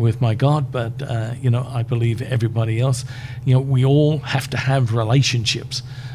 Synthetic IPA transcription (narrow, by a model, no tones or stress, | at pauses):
wɪðmaɪɡɑd̚bʌtʌjɨñoʊʔa̰ɪbəlivɛ̰vɹibɑɾiɛlˠsjɨnoʊwiɔlˠhæftɨəvɹɪleɪʃɨ̃nʃɪ̰ps